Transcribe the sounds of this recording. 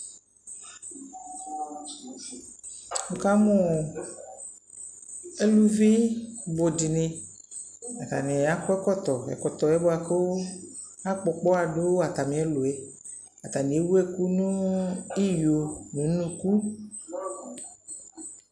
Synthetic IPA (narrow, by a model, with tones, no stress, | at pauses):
mu˨ka˦mɔ̃˨ | e˦lu˦vi˦bo˨di˨nẽ˨ | a˨t̪a̰˨nẽ˨a˦kɔ˦ɛ˦kɔ˦t̪ɔ˨ɛ̰˨kɔ˨t̪ɔ˨ɛ˦bo˦a˨ke˦wo˦ | a˦k͡pɔ˨k͡pɔ˦a˨ɖo˦wo˦a˨t̪a˨mĩ˨˦e˦lo˨e˨ | a˨t̪a˨mĩ˨e˦wu˦e˦ku˦nũ˦i˦jo˨nũ˨˦nũ˦ku˦